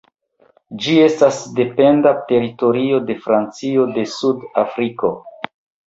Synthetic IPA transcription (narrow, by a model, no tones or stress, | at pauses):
d͡ʒie̞stasde̞pe̞ndate̞ɾito̞ɾio̞de̞fɾant͡sio̞de̞sudafɾiko̞